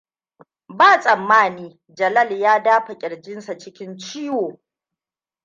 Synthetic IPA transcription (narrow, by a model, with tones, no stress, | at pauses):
baː˦˨sʼɐ˨mːaː˦niː˦ | d͡ʒɐ˨lɐ˦˨ljaː˦daː˦ɸɐ˨kʲʼɪ˨ɽd͡ʒɪ˦nsa˨t͡ʃɪ˦kʲɪ˦nt͡ʃiː˦woː˨